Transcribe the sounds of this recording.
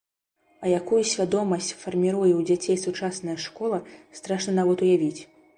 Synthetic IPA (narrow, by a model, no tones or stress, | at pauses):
ɐjakujusʲvʲad̪ɔmɐsʲt͡sʲfɐrmʲiɾujɛwd͡zʲat͡sʲejsut͡ʂasnɐjɐʂkɔlˠɐst̪ɾaʂnɐnavɔt̪ujavʲit͡sʲ